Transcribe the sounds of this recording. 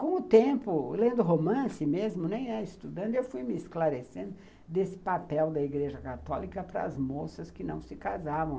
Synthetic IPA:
kõw̃ʊt̪ẽmpʊlẽnd̪ʊɦomɐ̃sɪmezmʊnẽj̃ɛɪst̪ud̪ɐ̃nd̪ʊewfujmɪːsklaɾesẽnd̪ʊ | ʊd̪esɪ̥papɛwd̪ɐiɡɾeʒɐkat̪ɔlikɐpɾɐ̰ːzmosɐskɪnɐ̃w̃sɪkazavɐ̃w̃

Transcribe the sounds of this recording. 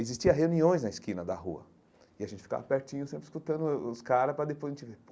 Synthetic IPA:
ezist͡ʃiɐɦeuniõj̃znɐɪskĩnɐd̪ɐɦuɐ̰ | ɪaɐʒẽnt͡ʃɪ̥fi̥ka̰vɐpeɾt͡ʃĩɲʊsẽmpɾɪskut̪ɐ̃nd̪ʊʊskaɾɐspɾɐd̪epojzɐẽt͡ʃɪvep

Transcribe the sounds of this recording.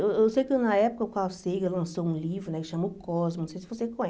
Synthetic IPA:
eweewsejʊkenɐɛpʊ̥kɐʊkaʊsejkelɐ̃sowũlivɾʊnɛkɪʃɐ̃mʊkɔzmʊnõsejsɪvosekõ

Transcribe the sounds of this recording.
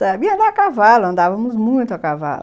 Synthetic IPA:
t̪ɐbĩɐ̃nd̪akavalɐɐ̃nd̪avɐmʊzmũj̃t̪ʊɐkava̰lɐ

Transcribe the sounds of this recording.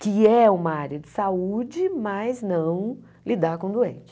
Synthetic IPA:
kɪɛũmɐaɾjɐd͡ʒɪsaud͡ʒɪmɐjznɐ̃w̃ | lid̪aɾkõd̪uḛ̃t͡ʃɪ̥

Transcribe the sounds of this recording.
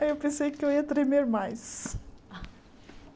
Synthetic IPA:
ewpẽsejkɪewiɐt̪ɾemeɾmajs

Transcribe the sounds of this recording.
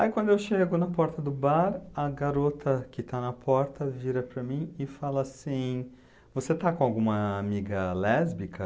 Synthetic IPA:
aikwɐ̃nd̪ʊewʃeɡʊnɐpɔɾt̪ɐd̪ʊbaɾɐɡaɾot̪ɐkɪt̪anɐpʰɔɾt̪ɐviɾɐpɾɐmĩɪfalɐsĩ | voset̪akõawɡũmɐːmiɡɐlɛzbikʰɐ

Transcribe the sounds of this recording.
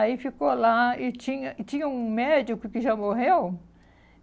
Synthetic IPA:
aifikolait͡ʃĩɲɐt͡ʃ̪ĩɲɐũmed͡ʒjʊkɪkɪʒamoɦew

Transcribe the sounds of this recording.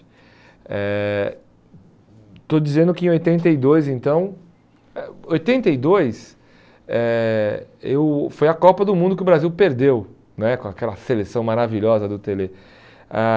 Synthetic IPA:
ɛ | t̪od͡ʒizẽnd̪ʊkɪẽojt̪ẽnt̪eid̪ojzẽt̪ɐ̃w̃ | ɛojt̪ẽnt̪eid̪ojs | ɛ | ewfojɐkɔpɐd̪ʊmũd̪ʊkɪʊbɾaziwpeɾd̪ew | nɛkõakɛlɐselesɐ̃w̃maɾaviʎɔzɐd̪ʊt̪ele | a

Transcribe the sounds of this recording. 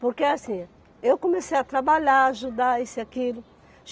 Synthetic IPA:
poɾkeasĩ | ewkõmesejat̪ɾabaʎaaʒud̪aesɪakilʊ | ʒ

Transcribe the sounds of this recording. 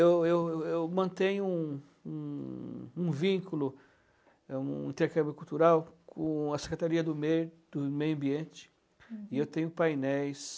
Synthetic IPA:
ewewewmɐ̃nt̪ẽɲʊu | ũ | ũvĩkulʊ | ṵ̃ĩt̪eɾkɐ̃mbɪkuwt̪uɾawkʰõɐse̥kɾet̪aɾiɐd̪ʊmed̪̥ʊmejʊɐ̃biẽt͡ʃɪ̥ | ɪewt̪ẽɲʊpajnɛjs

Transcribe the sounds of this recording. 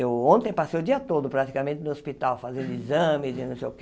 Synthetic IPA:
ewõnt̪ẽj̃pasejʊd̪iɐt̪od̪ʊpɾat̪i̥kamẽnt̪ɪnʊospit̪awfazẽnd̪ʊizɐ̃mɪzɪnɐ̃w̃sejʊk

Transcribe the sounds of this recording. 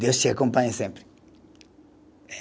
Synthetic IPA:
d̪ewʃt͡ʃɐkõmpãɲɐsẽmpɾ

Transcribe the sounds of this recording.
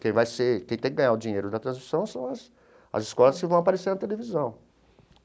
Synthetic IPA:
kẽj̃vajsekẽj̃t̪ẽkɪɡɐ̃ɲ̃aʊd͡ʒĩɲejɾʊd̪ɐt̪ɾɐ̃zmisɐ̃w̃sɐ̃w̃ɐs | ɐ̰zɪskɔlɐskɪvɐ̃w̃apaɾeseɾnɐt̪elevizɐ̃w̃

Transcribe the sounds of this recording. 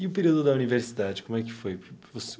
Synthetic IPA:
ɪʊpeɾiwd̪ʊd̪ɐuniveɾsid̪ad͡ʒɪkõmʊɛkɪ̥fojpvos

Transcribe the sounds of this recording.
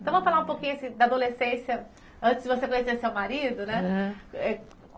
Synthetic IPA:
t̪ɐ̃m̃ɐfalaũpokĩɲʊɐsĩd̪ad̪olesẽsjɐ | ɐ̃t͡ʃɪzd͡ʒɪvosekõɲesesewmaɾid̪ʊnɛɛ

